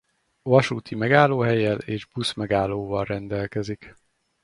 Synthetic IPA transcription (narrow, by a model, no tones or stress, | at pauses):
vɒʃuːt̪ʰimɛɡaːlːoːɦɛjːɛleːʒbusmɛɡaːlːoːvɒlrɛnd̪ɛlkɛzik